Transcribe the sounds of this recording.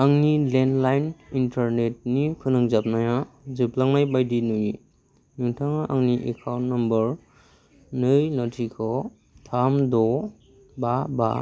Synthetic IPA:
aŋnilenlajnintaɾnet̚nikʰɯnɯŋzap̚naja | zɯplaŋnajbajdinuji | nuŋtʰaŋaʔaŋniʔḛkʰawnnambʌɾ | nɯjnɔtʰikʰɔ | tʰamdɔ | baba̰

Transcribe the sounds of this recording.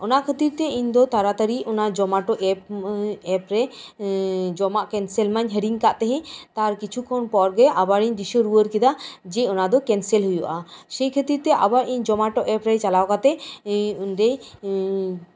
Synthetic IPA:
ɔnakʰət̪iɾt̪ɛiɲd̪ɔt̪aɾat̪aɾiɔnad͡ʒɔmaʈɔʔɛpɛpɾɛ | d͡ʒɔmaʔkɛnsɛlmaɲɦəɾiŋkaʔt̪ɛɦɛ̃t̪aɾkit͡ʃʰukʰɔnpɔɾɡɛʔabaɾiɲd̪iʃɔɾuwəɾkid̪ad͡ʒɛɔnad̪ɔkɛnsɛlɦujɔʔasɛjkʰət̪iɾt̪ɛʔa̰baɾʔiɲd͡ʒɔmaʈɔʔɛpɾɛt͡ʃalawkat̪ɛunɾej

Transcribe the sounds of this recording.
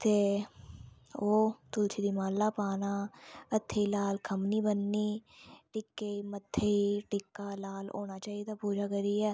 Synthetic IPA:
t̪e | oːt̪ʊlt͡ʃʰid̪imaːlːapaːnaət̪ʰːeilaːlkʰɐmnibənːiʈɪkːeimət̪ʰːeiʈɪkːalaːlo̰ːnat͡ʃaːid̪apuːd͡ʒakəɾiɦɛː

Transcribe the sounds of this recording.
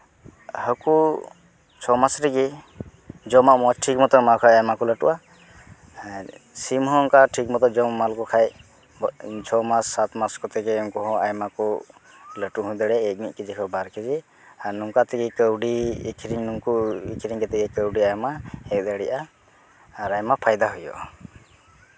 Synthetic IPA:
həku | t͡ʃʰɔmasɾiɡi | d͡ʒɔmaʔmɔsʈʰik̚mɔt̪ɔmakʰajajmakɔləʈṵʔa | simɦɔ̃ːŋkaʈʰik̚mɔt̪ɔd͡ʒɔmmalkɔkʰaj | t͡ʃʰɔmasːat̪maskɔt̪ɛkɛɔŋkɔɦɔ̃ajmakɔ | ləʈuɦɔ̃d̪ɛɽɛːk̚mit̪̚kid͡ʒikʰɔbaɾkid͡ʒi | aɾnuŋkat̪ɛkɛkəwɖḭkʰiɾiŋnuŋkuḭkʰiɾiŋkɛt̪ɛkɛkəwɖiajmaɛk̚d̪əɽiʔaː | ɾajmapʰajd̪aɦujɔ̰

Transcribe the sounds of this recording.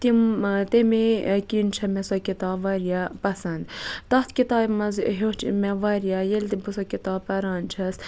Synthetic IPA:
t̪imt̪emekint͡ʃʰɐmesɐkit̪aːbʋɐɾijapɐsɐnd̪t̪ɐt̪ʰkit̪ɑːbmɐzɦot͡ʃmɛʋɐɾjajelt̪ibusɐkit̪aːpːɐɾaːnt͡ʃʰɐs

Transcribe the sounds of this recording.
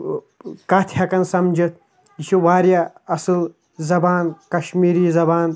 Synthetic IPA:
kaːt̪ʰhɐkɐnsɐmd͡ʒit̪̚ʰ | it͡ʃʰiʋaːɾjaɐsɨl | zɐbaːnkɐʃmiːɾiːzɐbaːn

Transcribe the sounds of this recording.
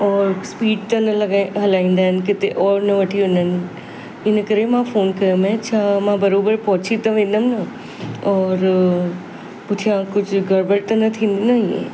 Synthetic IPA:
ɔːɾspiːɖ̚t̪ɐnɐlɐɡaɦɐlaːĩːn̆d̪aːɦɪnɪ̆kɪt̪eʔɔːɾnɐʋɐʈʰiʋʊnənɪ̆ | ɪnəkɐɾemãfoːnkɐjəmẽɐt͡ɕʰamãbɐɾoːbəɾpɔɦt͡ɕʰit̪ɐʋẽːn̆d̪əmɪnɐ | ɔːɾ | pʊt̪ʰijãkʊd͡ʑʱʊɡʱɐɾbəɽt̪ɐnɐt̪ʰĩːnd̪inɐiḛ̃

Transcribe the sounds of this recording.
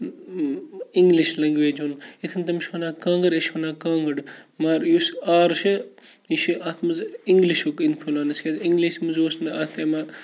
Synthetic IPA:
iŋɡliʃlɐŋɡʋeːd͡ʒunit̪ʰɐnt̪̬ɐmʃonaːkãːŋɡɐɽeʃonaːkãːŋɡɐɽmaːɾjusaːɾʃɐ | iʃiat̪ʰmɐziŋɡliʃokinpʰulaːnɐskʲeziŋɡliʃmuzoːsnɐaːt̪ʰeːma

